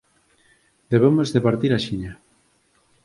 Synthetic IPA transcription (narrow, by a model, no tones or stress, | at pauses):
d̪eβemozðepaɾt̪iɾaʃiɲa